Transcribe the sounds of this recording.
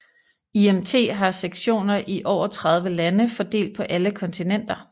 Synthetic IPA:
iemt͡sʰe̝̰ːɦɑ̈seɡ̥ɕo̝̰ːnɐʔiʔɒʊ̰ɐt͡sʰʁɑ̈ð̞ˠʋəlænəfɒd̥e̝̰ːld̥̚pʰɒ̽ʔæləkʰɒ̽nt͡sʰinen̰d̥ɐ

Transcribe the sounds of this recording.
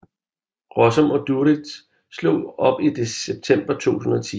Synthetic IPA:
ʁɒsɒ̽mɒ̽d̥uʁid̥ | slo̝̰ːɒ̽b̥id̥eseb̥̚t͡sʰem̰b̥ɐt͡sʰo̝̰ːsʰun̩ɒ̽t͡sʰi

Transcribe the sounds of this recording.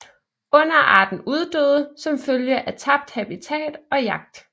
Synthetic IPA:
ɔ̽n̰ɐʔɑ̰̈ːd̥n̩uð̞ˠd̥øːð̞ˠəsɒ̽mføljəʔæt͡sʰɑ̈b̥̚d̥hæb̥it͡sʰɛ̰ːd̥ɒ̽jɑ̈ɡ̥̚d̥

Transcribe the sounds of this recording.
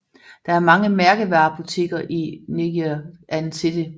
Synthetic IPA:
d̥ɑ̈æɐmɑ̈ŋəmæɐɡ̥əʋɑ̈pʰut͡sʰe̝̰ɡ̥ɐʔineɡ̥iʔænsʰe̝d̥e

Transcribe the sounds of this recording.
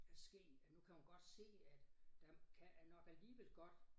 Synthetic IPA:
æsɡ̥e̝̰ːd̥ænukʰæmænɡ̥ɒ̽d̥se̝̰ːæd̥d̥ækʰænɒɡ̥æliːʋel̰ɡ̥ɒ̽d̥

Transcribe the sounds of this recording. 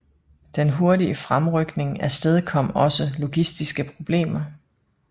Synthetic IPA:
d̥enɦo̝ɐdiəfʁamʁœɡ̥ne̝ŋæsd̥eð̞ˠkʰɒ̽m̰ɒ̽səlo̝ɡ̥isd̥isɡ̥əpʰʁo̝b̥le̝̰ːmɐ

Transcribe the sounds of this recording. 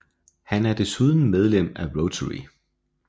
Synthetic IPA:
hænæɐd̥e̝suð̞ˠn̩með̞ˠlem̰æʁot͡sʰəʁḭ

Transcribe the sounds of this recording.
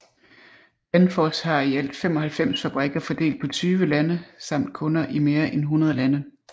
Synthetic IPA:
b̥ænfɒshɑ̈iæl̰d̥fem̰ɒ̽hælfem̰sfæb̥ʁɛɡ̥ɐfɒd̥e̝̰ːld̥̚pʰɒ̽t͡sʰyːʋəlænəsɑ̈m̰d̥̚kʰɔ̽nɐʔime̝ːɐʔenɦunɐð̞ˠəlænə

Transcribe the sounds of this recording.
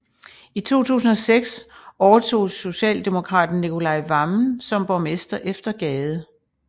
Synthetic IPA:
it͡sʰo̝̰ːt͡sʰṵːs̬n̩ɒ̽seɡ̥sɒʊɐt͡sʰo̝̰ːso̝ɕɛ̰ːld̥e̝mo̝kʰʁɑ̰̈ːd̥n̩ːikʰo̝lɑ̈ɪʋɑ̈mn̩sɒ̽mb̥ɒmesd̥ɐʔefd̥ɐɡ̥ɛːðˠə

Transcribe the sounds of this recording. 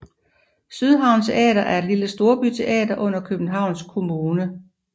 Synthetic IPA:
syð̞ˠɦɑ̈ʊ̰nt͡sʰe̝ʔɛ̰ːdɐʔæɐe̝d̥liləsd̥o̝ɐb̥yt͡sʰe̝ʔɛ̰ːdɐʔɔ̽n̰ɐkʰøb̥n̩ɦɑ̈ʊ̰nskʰo̝muːnə

